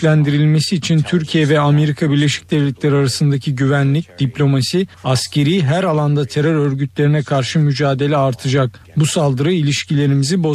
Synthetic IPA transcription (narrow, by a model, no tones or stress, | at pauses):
lʲænd̪iɾilʲme̞siːt͡ʃʰint̪ʰyɾcʰijɛvɛame̞ɾikʰabiɾlʲe̞ʃi̥c̚d̪ɛvlʲɛt̪lʲæɾaɾasɯnd̪acʰiɟyvænlʲic̚d̪̥iplʲo̞masiascʰe̞ɾiːɦæɾalˠand̪at̪ʰeɾøɾø̞ɾɟyt̪lʲe̞ɾinɛkʰaɾʃɯmyd͡ʒaːd̪e̞lʲɛaɾt̪ʰɯd͡ʒak̚ | busalˠd̪ɯɾɯilʲiʃcilʲe̞ɾimizibo̞